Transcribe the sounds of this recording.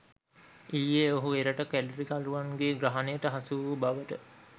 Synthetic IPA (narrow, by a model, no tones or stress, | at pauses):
iːjeoɦueɾəʈəkælɾikaluʋanɡeɡɾaɦanejəʈəɦasuʋəbaʋəʈə